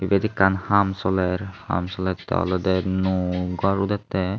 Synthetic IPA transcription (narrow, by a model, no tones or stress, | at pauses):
ibed̪ikːanhamsɔlɛɾha̰msɔlɛt̪ːɛ̰ɔ̰lɔd̪ɛnuɡɔɾud̪at̪ːɛ